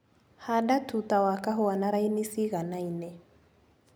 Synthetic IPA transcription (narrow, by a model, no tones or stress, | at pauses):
hadatʰut̪awakaɦʊanaɾainisiɣanainɛ